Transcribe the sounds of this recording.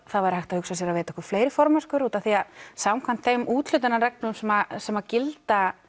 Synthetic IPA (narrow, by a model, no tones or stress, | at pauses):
θaðvajɾhajht̪ahʏksasjɛɾavɛːt̪ɔhkʏɾ̥fleːjɾɪfɔɾmɛskʏɾuːt̪aθiasawmkʰan̥t̪θejmʔuːt̪lʏt̪anarɛk̚nʏmsɛmasɛmacɪlt̪a